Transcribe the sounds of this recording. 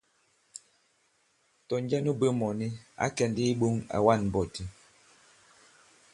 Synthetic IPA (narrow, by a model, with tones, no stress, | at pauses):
tɔ˨n˦d͡ʒɛ˦nu˦bə˦mɔ˨ni˦a̰˦kɛ˨ndi˦i˦ɓu˦ŋa̰˨wa˦˨n˨bɔ˨ti˨